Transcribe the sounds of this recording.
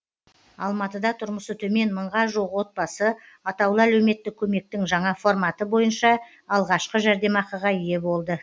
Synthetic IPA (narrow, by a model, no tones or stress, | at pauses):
ɑlˠmɑt̪əd̪ɑt̪ʰʊɾməsət̪ʰɵme̞nməɴʁɑʒuʁwo̞t̪̚bɑsəɑt̪ɑwlˠəælɵwme̞t̪ːɪkʲʰɵme̞k̚t̪ɪŋʒɑɴɑfo̞rmɑt̪əbo̞jənʃɑ | ɑlˠʁɑʃqəʒæɾd̪e̞mɑqɑʁɑije̞bo̞lˠd̪ə